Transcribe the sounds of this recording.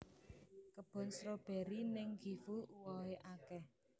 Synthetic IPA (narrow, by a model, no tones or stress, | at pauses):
kəb̥ɔ̤nsɾɔb̥ɛ̤ɾinɪŋɡ̥ifuuwɔɦeʔakɛh